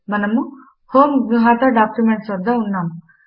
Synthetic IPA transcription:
mɐnɐmu | hoːmɡnuɦaːt̪ɐɖaːkjumeɳʈsʋɐd̪ːɐunːaːmu

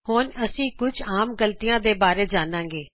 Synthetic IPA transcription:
hoːnəsĩːkʊd͡ʒaːmɡəlt̪ijãːd̪eːbaːɾeːd͡ʒaːnãːŋɡeː

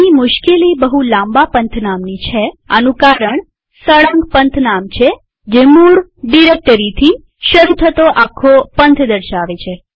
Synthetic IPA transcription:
nimʊʃkelibəɦulãmbapənt̪ʰnamnit͡ʃʰea̰nũkaɾəɳ | səɭãŋɡpənt̪ʰnamt͡ʃʰe | d͡ʒemuɽɖiɾek̚ʈəɾit̪ʰi | ʃəɾut̪ʰət̪oʔakʰːopənt̪ʰd̪əɾʃaʋet͡ʃʰe

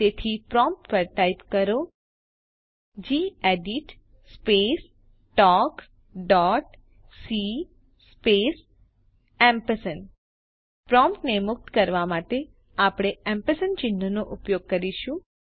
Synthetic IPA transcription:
t̪et̪ʰipɾɔmp̚ʈpəɾʈaipkəɾo | d͡ʒieɖiʈ | spes | ʈɔk | ɖɔʈ | si | pes | ɛmpəsən | pɾɔmpʈnemʊk̚t̪kəɾʋamaʈe | apɽ̃eɛmpəsənt͡ʃɪnːənoʔʊpjoɡ̚kəɾiʃũ

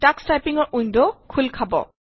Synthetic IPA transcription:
takstajpiŋɔɹʔujndɔkʰulkʰabɔ̰

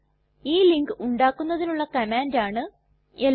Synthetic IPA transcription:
iːliŋɡɨʔuɳɖaːkːunːɐðinuɭːɐkɐmaːndaːɳɨ | el

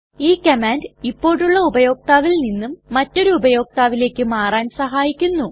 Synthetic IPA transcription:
iːkɐmaːndipːo̞ːɽuɭːɐubɐjo̞ːk̚t̪aːʋilninːumːɐtːo̞ɾuːbɐjo̞ːk̚t̪aːʋile̞ːkʲːɨmaːraːnsɐɦaːjikʲːunːu

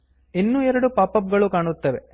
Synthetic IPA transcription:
inːuːɛɾɐɽupaːpɐp̚ɡɐɭukaːɳut̪ːɐʋe

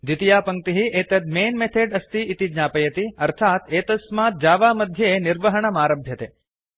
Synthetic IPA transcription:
d̪it̪ijapəŋ̚t̪iɦiʔet̪əd̪̚meːnmet̪ʰeɖəst̪iːt̪id͡ʒnapəjɐt̪iɐɾt̪ʰat̪et̪əsmat̪̚d͡ʒaːʋaməd̪ʱjəenɪɾʋəɦəɳ̃ɐmaːɾəbʱjɐt̪e

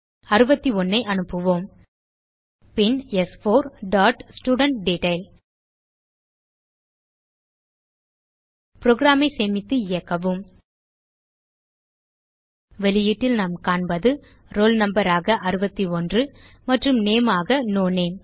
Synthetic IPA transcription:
ɐɾɯbɐt̪ːiɔnːɐɪʔɐnɯpːɯʋoːm | pɪnɛsfoːɾɖaːʈsʈjuːɽɐɳʈ̚ɖeːʈɐɪl | pɪɾoːɣɪɾaːmɐɪseːmɪt̪ːɯɪjɐkːɐʋɯm | ʋɛlɪjɪʈːɪlnaːmkaːɳbɐðɯ | ɾoːlnɐmbɐɾaːɣɐʔɐɾɯbɐt̪ːiɔndrɯ | mɐʈrɯmneːmaːɣɐnoːneːm

